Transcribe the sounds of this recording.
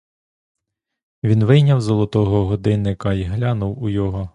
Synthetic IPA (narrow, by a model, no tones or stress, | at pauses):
ʋʲinʋɪjnʲɐwzɔlˠɔt̪ɔɦɔɦɔd̪ɪnɪkɐiɦlʲɑnʊwujɔɦɔ